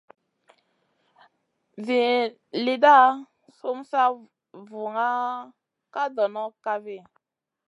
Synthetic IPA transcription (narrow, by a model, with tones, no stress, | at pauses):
vi˨ | li˨da˦˨ | so˦msa˦ | vu˨ŋa˦ | ka˦dɔ˨nɔ˦ka˦vi˦˨